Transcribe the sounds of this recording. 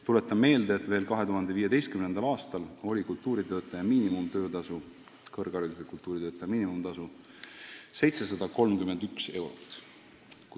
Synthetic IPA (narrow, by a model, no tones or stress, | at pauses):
t̪ule̞t̪ːˑɑmme̞ːld̪eːt̪ve̞ːlkɑɦe̞t̪uɦɑnd̪e̞viːje̞d̪e̞jst̪kymnend̪ɑlɑːst̪ɑlo̞lʲikult̪ːˑuːɾit̪ø̞ːt̪ːˑɑjɑmiːnimumt̪ø̞ːt̪ɑsu | kɤrɡ̥ɑɾid̪usekult̪ːˑuːɾid̪øːt̪ːˑɑjɑmiːnimumt̪ɑsu | se̞jt̪se̞sɑd̪ɑko̞lmkyme̞nd̪ykse̞wɾo̞t̪ːˑ